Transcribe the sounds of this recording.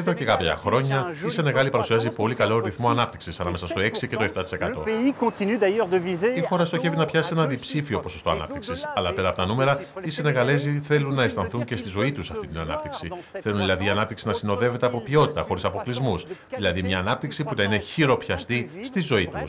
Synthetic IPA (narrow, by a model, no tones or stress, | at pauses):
eðo̞ce̞kɐpçɐ̰xɾo̞ɲɐisene̞ɣɐlipɐɾusiɐzipo̞likɐlo̞ɾiθmo̞ɐnɐp̚t̪i̥ksisɐnɐme̞sɐst̪o̞e̞ksice̞t̪o̞eft̪ɐt̪i̥se̞kɐt̪o̞̰eikɔ̃t̪inyd̪ajœʁd̪əvizeixo̞ɾɐst̪o̞çe̞vinɐpçɐsie̞nɐðipsifio̞po̞so̞st̪o̞ɐ̰nɐ̰p̚t̪iksisɐlɐpeɾɐpot̪ɐnume̞ɾɐisene̞ɣɐle̞ziθe̞lunːɐest̪ɐnθuɲce̞st̪izo̞it̪usɐft̪it̪inɐnɐ̰p̚t̪iksiθe̞lunðilɐðiɐnɐp̚t̪iksinɐsino̞ðe̞ve̞t̪e̞ɐpo̞pio̞t̪i̥t̪ɐxo̞ɾisɐpo̞klizmus | ðilɐðimɲɐːnɐp̚t̪iksipunɐine̞çiɾo̞pçɐst̪ist̪izo̞it̪ṵs